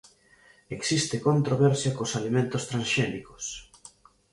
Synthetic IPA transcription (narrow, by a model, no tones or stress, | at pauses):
eksist̪ekont̪ɾoβɛɾsjɐkosalimẽnt̪ost̪ɾãnsʃɛniko̥s